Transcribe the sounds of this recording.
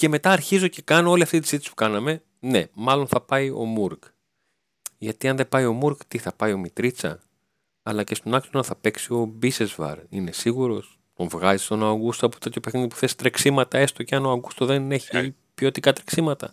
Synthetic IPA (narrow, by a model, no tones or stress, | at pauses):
ce̞me̞t̪ɐːɾçizo̞ce̞kɐno̞o̞liɐft̪it̪izit̪isi̥pu̥kɐnɐme̞ | ne̞mɐlo̞nθɐpɐio̞̰muɾk | ʝɐt̪iɐnðe̞pɐio̞muɾkt̪iθɐpɐjo̞mit̪ɾit͡sɐ̰ | ɐlɐce̞st̪o̞nɐksonθɐpe̞ksio̞bisezvɐ̰ɾine̞siɣuɾo̞s | t̪o̞ɱvɣɐzist̪o̞nɐoɣust̪oɐpo̥t̪ɐt̪jʰopeθniðipu̥θest̪ɾeksimɐt̪ɐe̞st̪oceɐnoɐɡust̪oðene̞çi | pio̞t̪ikɐt̪ɾe̥ksimɐt̪ɐ̰